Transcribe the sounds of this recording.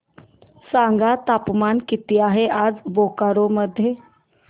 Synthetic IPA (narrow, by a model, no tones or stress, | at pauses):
saŋɡat̪apmankit̪iaɦeʔad͡zbokaɾoməd̪ʱːje